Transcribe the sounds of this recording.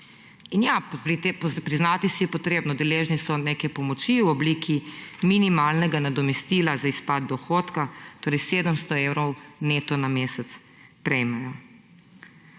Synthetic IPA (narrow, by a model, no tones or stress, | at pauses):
injaɾit̪pɾiznat̪isijɛpɔt̪ɾeːbnɔd̪ɛleːʒnisɔneːkɛpɔmɔt͡ʃiwɔbliːkʰiminimaːlnɛɡanad̪ɔmɛst̪iːlazaispad̪̚d̪ɔxoːt̪kat̪oːɾɛjseːd̪əmst̪ɔewɾɔwnet̪ɔnameːsɛt̪s | pɾɛjmajɔ